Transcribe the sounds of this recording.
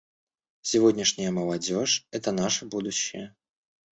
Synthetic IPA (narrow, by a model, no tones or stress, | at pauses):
sʲɪvo̞dʲnʲɪʂnʲɪjəməlˠɐdʲo̞ʂɛt̪ənaʂəbud̪ʊɕːɪ̰jə